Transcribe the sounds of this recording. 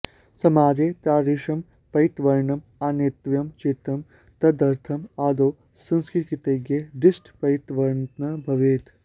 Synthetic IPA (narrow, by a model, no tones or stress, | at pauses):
sɐmaːd͡ʒeːt̪aːɾiʃɐm | pɐjt̪ʋɐɾɳɐm | aːnet̪ʋjɐmt͡ʃit̪ɐm | t̪ɐd̪ɐɾt̪ʰɐmaːd̪oː | sɐ̃nskit̪kit̪eɡeɖisʈpɐjt̪ʋɐɾnɐbʱɐʋeːt̪